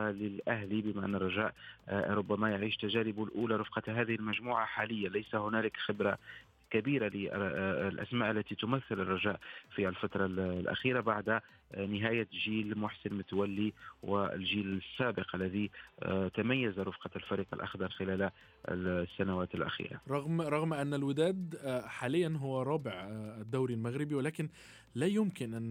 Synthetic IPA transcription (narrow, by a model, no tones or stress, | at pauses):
lɪlʔæɦlibɪmaʔa̰nːərˤːɑʒaːʔɾˤʊbːæmæjaʕiːʃt̪aʒæːɾɪbulʔuːlaɾʊfqɑɦæːðɪhɪlmæʒmuːʕaħaːlɪjːalæjsahʊnæːlɪkxɪbɾa | kabiːɾalɪlʔæ̰smaːʔlːæt̪it̪ʊmæθːɪlɪrˤːɑʒaːʔfiælfat̪ɾˤɑllʔæ̰xiːɾabaʕd̪ | nɪɦæːjaʒiːlmʊħsɪnmʊt̪awalːiwɪ̰ɪ̰lʒiːlɪsːaːbɪqʔalːæðit̪amajːazaɾʊfqɑlfaɾiːqɪlʔɑ̰xd̪ˤɑɾˤxɪlæːl̰ | sːanawaːt̪ɪlʔa̰xḭːɾa̰ɾˤɑɣmɾˤɑɣmʔanːælwɪd̪æːd̪ħaːlɪjːanɦʊwːæɾˤɑːbɪʕd̪ːawɾilmaɣɾɪbiwɪlæːkɪn | læːjʊmkɪnʔanː